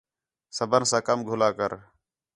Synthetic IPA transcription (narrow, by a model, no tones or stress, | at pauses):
səbənsãːkəmɡʱʊlaːkəɾ